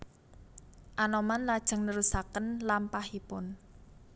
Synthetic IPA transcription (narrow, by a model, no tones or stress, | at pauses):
ʔanɔmanlad̥ʒ̥ə̤ŋnəɾusakənlampahipʊn